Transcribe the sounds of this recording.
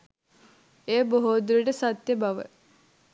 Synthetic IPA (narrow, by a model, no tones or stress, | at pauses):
eːboɦoːd̪uɾəʈəsat̪jəbaʋə̰